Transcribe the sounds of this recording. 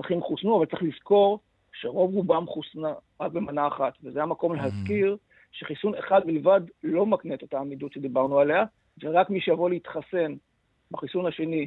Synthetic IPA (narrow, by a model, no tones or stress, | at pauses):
aχimχusnuavaltt͡seχlizko̞ʁ | ʃeʁo̞vʁubamχusnaʁak̚be̞manaːχat̪vezeamako̞mleɦazkiʁ | ʃeχisuneχad̪̚bilvadlo̞maknet̪ot̪aːmid̪utʃe̞d̪ibaʁnuale̞a | veʁakmiʃejavoleit̪χase̞n | baχisunhaʃe̞ni